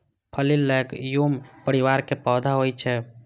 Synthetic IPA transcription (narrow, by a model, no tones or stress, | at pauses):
pʰəlilːɛɡjumpəɾiʋaɾkepɔd̪ʱaɦojt͡ʃʰɛ